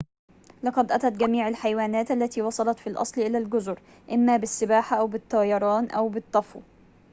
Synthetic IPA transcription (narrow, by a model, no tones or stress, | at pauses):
lɑqɑd̪ʔæt̪æt̪ɡæmiːʕalħajwaːnæːt̪ʔalːæt̪iːwɑsˤɑlɑt̪filʔɑ̰sˤlʔɪlaːlɡʊzʊɾ | ʔɪmːaːbɪsːɪbaːħaʔawbɪt̪ˤːɑːjɑɾˤɑːnʔawbɪt̪ˤːɑfṵː